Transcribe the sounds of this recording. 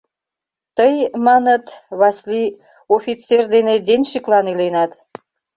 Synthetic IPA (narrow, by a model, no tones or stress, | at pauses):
t̪əjmɑnət̪βɑsli | ofʲit͡sːerd̪ened̪enʲʃiklɑnilenɑt̪